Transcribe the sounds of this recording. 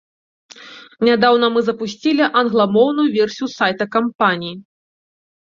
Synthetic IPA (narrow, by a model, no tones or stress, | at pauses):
nʲad̪awn̪ɐmɨzɐpusʲt͡sʲilʲiʔɐnɣlˠamɔwnujuvʲɛrsʲijusajt̪ɐkampanʲiji